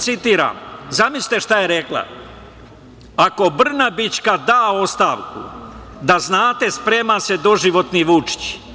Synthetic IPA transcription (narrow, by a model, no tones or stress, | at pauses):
t̪sit̪iːɾa̰mzamisʲi̥t̪e̞ʃt̪aje̞ɾe̞kla̰ | ako̞br̩nabit͡ʃkad̪aːo̞st̪aːʋkṵ | d̪aznaːt̪e̞spɾe̞ːmase̞d̪o̞ʒiʋo̞t̪niʋut͡ʃi̥t͡ɕ